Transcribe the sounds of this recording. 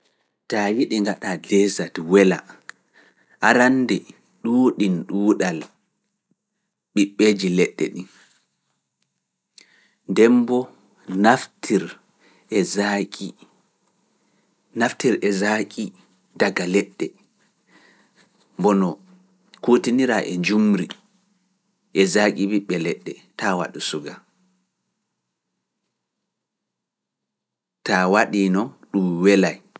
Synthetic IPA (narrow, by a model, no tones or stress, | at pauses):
tawiɗiŋɡaɗadɛzatwɛla̰ | ʔaɾandɛ | ɗuːɗinɗuːɗal | ɓiɓːeːd͡ʒilɛɗːɛ̰ɗin | ndɛmbɔ | naftʰiɾ | ɛzakʼi | naftiɾɛzakʼi | daɡalɛɗːɛ | mbɔnɔ | koːtiniɾaʔɛɲd͡ʒumɾi | ʔɛzakʼibiɓɛlɛɗːɛtawa̰ɗusuɡa | tawaɗinɔɗumwɛlaj